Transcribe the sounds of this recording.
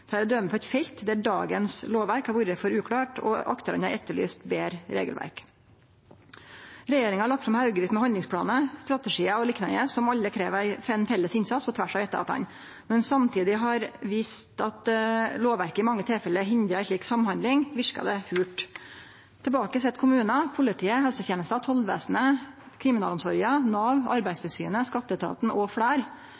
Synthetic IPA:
t̪ʰɑːɾɔd̪œmːəpʰɔɛɪt̪fɛlt̪d̪æɖɑ̰ːɡənsloːʋæɾkhɑɾʋuɾəfɔɾʉːkʰɽɑːʈɔ̰ɑ̰kt̪əɾə̰næɛt̪ːəɭy̰ːst̪beːɾɾḛːɡəlʋæ̰ɾk | ɾɛjeːɾɪŋɑhɑɭɑk̚t̪sɔmhɑʉɡəʋiːst̪mɛhɔnd̪lɪŋspʰlɑ̰ːnəst̪ɾɑt̪əʂiːəɔlɪknɑnəsɔmɑlːəkʰɾeːʋæɪfɛnfɛlːəsɪnsɑt̪sːpʰɔt̪ʰʋæʂɑːʋɛt̪əɑ̰t̪ʰɑ̰n | mɛnsɑmt̪ʰiːd̪ɪɦɑɾʋiːst̪ɑt̪loːʋʋæɾkəɪmɑŋːət̪ʰeːfɛlːəɦɪnd̪ɾəæɪʂɭiːksɑmhɑnd̪lɪŋʋɪʂkɑ̰d̪ɛhʉːʈ | t̪ʰɛbɑːkəs̬ɛt̪ːkʰʊmʉːnɑpʰʊlɪt̪ʰiːəɦɛlsət̪jeːnəst̪ɑt̪ʰɔlʋæ̰ːsnəkʰɾɪmɪnɑːlɔmsɔɾənɑːʋɑ̰ɾbæɪst̪ʰɛsyːnəskɑt̪ːəət̪ʰɑ̰ːt̪n̩ɔfɽæːɾ

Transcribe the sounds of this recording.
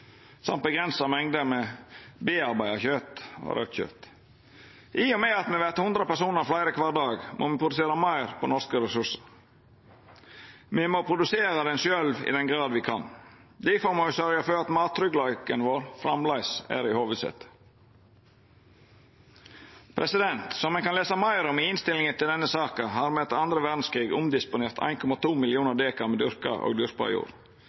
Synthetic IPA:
sɑ̰mt̪̚bəɡɾɛnsɑmɛŋd̪əmɛbeːɑɾbæɪɑçøːt̪ɔ̰ɾʔœ̰t̪çø̰ːt̪ | ʔɪɔmɛɑt̪mɛʋæɾt̪əhʉnd̪ɾəpæsuːnəɾflæɪɾəkʰʋɑːɾɖ̪ɑːɡmʔo̰mɪpʰɾʊd̪ʉseːɾɑmæɪɾpʰɔnɔɾskəɾɛsʉʂəɾ | mɪmɔpʰɾʊd̪ʉseːɾɑd̪ɛnʃœlʋɪ̰d̪ɛnɡɾɑːd̪ʋɪkʰɑ̰n | d̪ɪfɔːɾmɑʋɪsœɾɪəføːɾɑt̪mɑːt̪ɾʏɡlɑʏkənʋoːɾfɾɑmlɑɪsæ̰ːɾɪhoːʋəd̪sɛ̰t̪ | pʰɾɛsɪd̪ɛnt̪sɔmɛnkɑnleːsɑmɑɪɾʊmɪɪnst̪ɪlɪŋət̪ʰɪld̪ɛnːəsɑːkəɦɑːɾmɛt̪ɑnd̪ɾəʋæd̪n̩skʰɾiːɡʊmd̪ɪspʊneːɾt̪ʰæ̰ɪnkʰɔmɑt̪ʰuːmɪlɪuːnəɾd̪eːkɑmɛd̪ʏɾkɑ̰ʔo̰ːɡd̪ʏɾpɑ̰ɪ̰jṵːɾ

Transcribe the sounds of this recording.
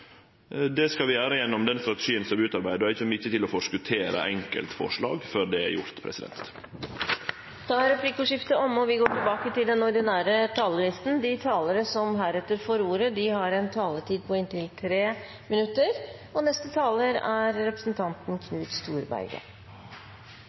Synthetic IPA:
d̪ɛskɑlʋɪjæːɾəjɛnːɔmd̪ɛnst̪ɾɑt̪ɛʂiːənsɔmʋɪʉːt̪ɑɾbæɪd̪əɔɪçəmʏçːət̪ɪlɔfɔʂkʉt̪ʰeːɾə̰ʔɛŋkə̰lt̪fɔ̰ʂɭɑ̰ːɡføɾd̪ɛæ̰ɾjʊ̰ɾt̪pʰɾɛ̰sɪd̪ɛ̰nt̪ | d̪̥ʰɑːɾɛpʰlikʊʂɪft̪əɔmɔʋɪɡoːʈɪlbɑːkət̪ɪld̪ɛnɔɾɖ̪ɪnæːɾət̪ʰɑːləlɪst̪n̩d̪ɪt̪ʰɑːləɾəsɔmɦæːɾɛt̪ːəɾfɔɾuːɾəd̪ɪhɑɾɛnt̪ʰɑːləʈiːd̪̚pʰɔɪnt̪ɪlt̪ʰɾeː | mɪnʉt̪ːəɾɔnɛst̪ət̪ʰɑːləɾæɾɾɛpɾə̥snt̪ʰɑnt̪nkʰnʉːt̪st̪uːɾbæ̰ɪɡə̰

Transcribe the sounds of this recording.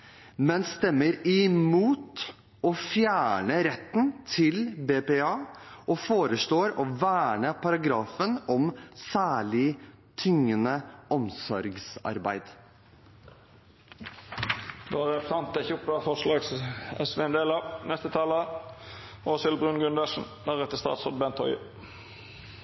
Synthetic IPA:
mɛnst̪ɛmːəɾɪmuːt̪ | ɔfjæːɳəɾɛt̪ːn̩t̪ʰɪlbeːpeːɑːʔɔfoːɾəsloːɾɔʋæːɳəpʰɑɾɑɡɾɑːfənɔmsæːɭɪ | t̪ʰʏŋːənəʔɔmsɔɾɡsɑ̰ɾbæɪd̪ | d̪oʁɛsɑnt̪ɛçuːp̪ɑfɔʂlɑːɡsɛsʋeɛnd̪eːlɑnɛst̪ət̪ʰɑːlə | oːsɪlbʁʉnɡʉnd̪əʂn̩d̪æʁɛt̪ːəst̪ɑ̰ːt̪sɔd̪̚bɛnt̪ʰɔʏ

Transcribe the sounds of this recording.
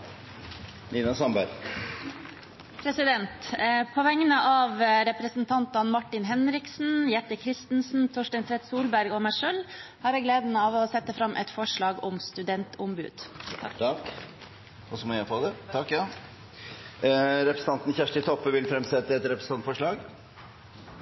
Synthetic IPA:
niːnɑsɑmbæɾ | pʰɾɛsɪd̪ɛnt̪pʰɔʋɛŋːənəʔɑʋɾɛpɾəsn̩t̪ʰɑnt̪ɑnmɑʈːɪnɦɛnɾɪksn̩jɛt̪ːəkʰɾɪst̪n̩sn̩t̪ʰɔʂʈɛɪnt̪ʰɾɛt̪suːlbæɾɡɔmæɪʂøːlhɑːɾæɪɡleːd̪ən̩əɑːʋɔːsɛt̪ːəfɾɑmːʔɛ̰t̪fɔʂɭɑːɡɔmst̪ʉd̪ɛnt̪ʊmbʉ̰ːd̪̥ | k | ɔsɔmɔjæfod̪ɛt̪ʰɑkːɑ | ɾɛpɾəsn̩ɑnt̪n̩çæʂʈɪt̪ʰɔpːʋɪlfɾɛmsɛt̪ːəɛt̪ɾɛpɾəsnt̪ɑnt̪fɔʂɭɑːɡ

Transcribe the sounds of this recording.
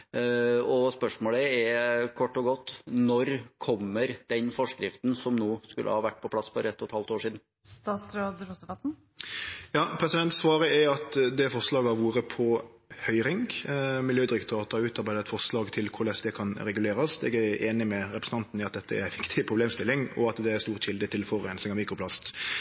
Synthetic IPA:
ɔspœʂmoːləɛkʰɔʈːɔɡɔt̪ːnɔɾkʰɔmːəɾd̪̥ɛnfɔʂkɾɪft̪n̩sɔmnuːskʉ̰lʔə̰hɑːʋæʈ̚ːpʰɔplɑsːfɔɾɛt̪ʰːɔt̪hɑlt̪oːʂiːd̪n̩ | st̪ɑːt̪sɾoːd̪ɾʊt̪əʋɑt̪n̩ | jɑːpʰɾɛsɪd̪ɛnt̪sʋɑːɾəɛɾɑt̪d̪ɛfɔʁʂlɑːɡəɑʋuːɾəpʰɔhœʏɾɪŋɡmɪljøːd̪ɪɾɪkt̪ʰɑːt̪ɑʉːt̪ɑɾbæɪd̪ət̪fɔʁʂlɑːɡt̪ʰɪlkʰʊɾlɛsd̪ɛkʰɑnɾɛɡʉleːɾɑsɛ̰ɡæʔeːnɪmɛɾɛpɾsn̩t̪ɑnt̪n̩ɪɑt̪̚d̪ɛt̪ːəæ̰ɾʋɪkt̪ʰɪpʰɾʊbleːmst̪ɪlːɪŋɔ̰ɑt̪d̪ɛæɾst̪uːʁt̪ɕɪld̪ət̪ʰɪlfɔɾɛːnsɪŋɑmiːkʰɔpʰlɑst̪

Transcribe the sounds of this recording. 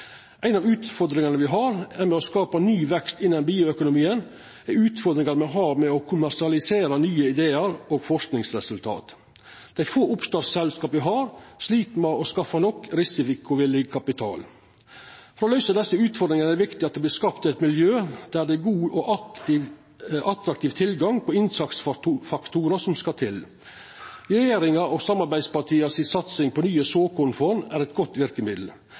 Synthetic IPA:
ʔæɪnɑːʋʉːt̪fɔɾd̪ɾɪŋɑnəʋɪɦɑɾɛɾmɛɔskɑːpənyːʋɛkst̪ɪnːənbiːʊœkʊnʊmiːən | ɛɾʉːt̪fɔɾd̪ɾɪŋɑɾmɛɦɑːɾmɛɔkʰʊmæɾʂɪɑlɪseːɾənyːəɪd̪eːəɾoːɡfɔʂknɪŋsɾɛsʉlt̪ʰɑ̰ːt̪ | d̪̥æɪfoːʊpst̪ɑːsɛlskɑːpʋɪɦɑːɾʂliːt̪mɛɔskɑfːɑnɔkːɾɪsɪfɪkʊʋɪlɪɡkʰɑpɪt̪ʰɑ̰ːl | fɾoːlœʏsɑd̪ɛsːəʉːt̪fɔɾd̪ɾɪŋənæd̪ɛʋɪkt̪ɪɑt̪d̪ɛblɪskɑpt̪ɪɛt̪mɪljøːd̪̥æd̪ɛɡuːʔɔʔɑɪ | ʔɑt̪ɾɑkt̪iːʋt̪ʰɪlɡɑŋpʰɔɪnsɑkt̪sffɑkt̪ʰuːɾəsɔmskɑt̪ʰɪl | ɾɛjeːɾɪŋɑɔsɑmːɑɾbæɪspɑʈʰiːɑsɪsɑt̪sɪŋpʰɔnyːəsoːkʊnfɔnæɾɛt̪̚ɡɔt̪ːʋɪɾkəmɪd̪l̩

